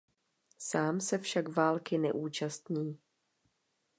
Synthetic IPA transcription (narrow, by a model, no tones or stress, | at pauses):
saːmsɛfʃakvaːlkɪnɛ̰ʔuːt͡ʃast̪ɲiː